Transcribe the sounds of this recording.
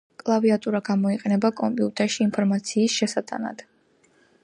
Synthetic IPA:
kʼlˠaviat̪ʼuɾaɡamɔiqʼɛnɛbakʼɔmpʼiut̪ʼɛɾʃiːnpʰɔɾmat̪sʰiːsʃɛsat̪ʼa̰na̰d̪̥

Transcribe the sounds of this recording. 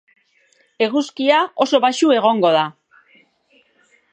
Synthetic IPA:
e̞ɣuskiao̞so̞βaʃue̞ɣo̞ŋɡo̞ða

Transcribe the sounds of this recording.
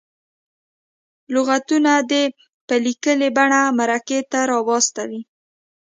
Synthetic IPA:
lʊɣat̪unad̪e | pəlikəlebaɳamaɾaket̪aɾɑbɑst̪awi

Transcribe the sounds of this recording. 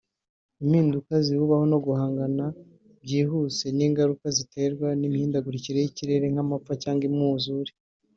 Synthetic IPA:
imhiːndukazihuβaho̞no̞ɡuhaːŋɡana | bɟiːɦuse̞niːŋɡaɾukazitʰe̞ɾɡwanimihiːndaɡuɾiciɾe̞jiciɾe̞ɾe̞ŋ̥hamap͡facaːŋɡimŋuːzuɾi̥

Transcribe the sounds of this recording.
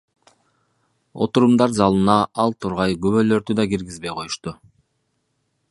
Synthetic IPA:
o̞̰t̪uɾumd̪ɑɾzɑlˠɯnɑɑlˠt̪ʰuɾʁɑjɡøβølø̞ɾd̪yd̪ɑɡiɾɡizbe̞jqʰo̞juʃt̪u

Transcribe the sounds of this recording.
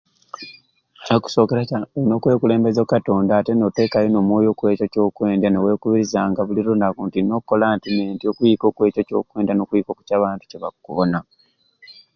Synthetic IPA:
noku̥so̞ːkeɾaaeino̞ːkwe̞ːkule̞ːmbe̞zokato̞ːndaːte̞note̞ːkajonomwo̞ːjo̞ːkwe̞ːco̞co̞ːkwe̞ːndanewe̞ːkuβiɾizaŋɡaβuliɾonakuntino̞uko̞laːntimeːntiokujiko̞kwe̞ːcoco̞̰kwe̞ːndanokujiko̞ku̥caːβaːntu̥ceβa̰kuβona

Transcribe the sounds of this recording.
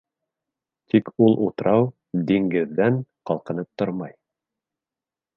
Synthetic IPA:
t̪ʰikulˠʔut̪ɾɑw | d̪iŋɡɘ̆ðːæŋqɑlˠqɤ̆nɤp̚t̪ːoɾmɑj

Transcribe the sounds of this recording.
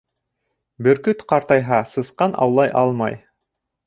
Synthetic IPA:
bɘɾkɵt̪qɑɾt̪ɑjɦɑsɤ̆sqɑnʔɑ̰wlˠɑjʔɑlˠmɑj

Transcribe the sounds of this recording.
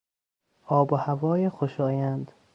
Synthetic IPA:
ʔɒːbohævɒːjexoʃɒːjænd̪

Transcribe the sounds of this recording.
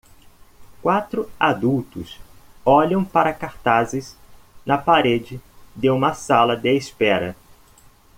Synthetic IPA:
kwat̪ɾʊad̪uwt̪ʊsɔʎɐ̃w̃paɾɐkaɾt̪azɪsnɐpaɾed͡ʒɪd̪ɪũmɐsalɐd̪ɪespɛɾɐ̰

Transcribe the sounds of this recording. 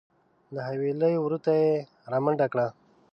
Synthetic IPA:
laɦaweləjowɾut̪aje | ɾaməɳɖakɽa

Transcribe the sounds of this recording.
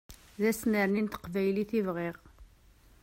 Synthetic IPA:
ðæsməɾnint̪ə̥qvæjliθivʁɪʁ

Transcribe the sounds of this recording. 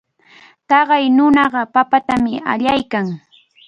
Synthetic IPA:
t̪ɑɢɑjnʊnɑɢɑpapat̪amɪa̰ʎajkaŋ

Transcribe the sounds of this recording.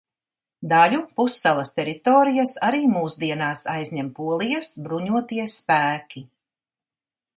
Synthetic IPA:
d̪aʎʲupusːalˠɐst̪ɛɾit̪oːɾijasaɾiːmuːsd̪iɛnaːsajzʲɲɛmpuɔlˠijasbɾuɲuɔt̪iɛspæːkʲi

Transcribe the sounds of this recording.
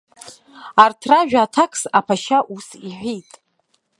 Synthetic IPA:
artʰraʒᶣaːtʰakʰʼsapʰaʃaʔusiħʷᶣitʼ

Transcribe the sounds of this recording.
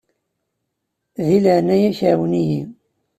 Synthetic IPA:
ðiləʕnːæjæçʕawəniji

